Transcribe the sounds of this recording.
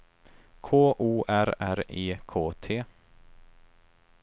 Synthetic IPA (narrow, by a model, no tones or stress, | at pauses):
kʰoːʔuːʔæɾæɾiːkʰoːt̪ʰeː